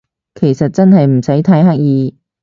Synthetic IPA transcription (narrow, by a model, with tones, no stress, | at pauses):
kʰe˨˩jsɐ˨t̚t͡sɐ˥nhɐ˨jm̩˨˩sɐ˨˥jt̪ʰɐ˨˥jɦa˥k̚jiː˨˧